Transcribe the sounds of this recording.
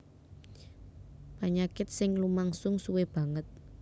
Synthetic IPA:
paɲakɪt̪̚sɪŋlumaŋsʊŋsuweb̥a̤ŋət̪̚

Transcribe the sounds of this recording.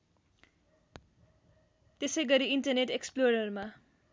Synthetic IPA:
t̪esʌjɡʌɾiiɳʈʌrneʈeksploɾʌrma

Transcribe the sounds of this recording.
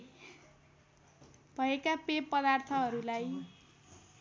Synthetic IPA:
b̥ʱʌekapepːʌd̪art̪ʰʌɦʌɾulaj

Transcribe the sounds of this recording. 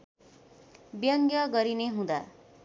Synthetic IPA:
bjʌŋɡjʌɡʌɾineɦũd̪a

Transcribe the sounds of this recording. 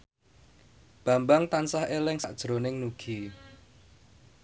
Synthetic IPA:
b̥a̤mbaŋt̪ansahelɪŋsaʔd̥ʒ̥ɾonɪŋnuɡ̥i

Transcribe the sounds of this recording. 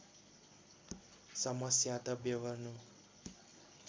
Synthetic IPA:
sʌmʌsjat̪ʌbjəʋʌɾnu

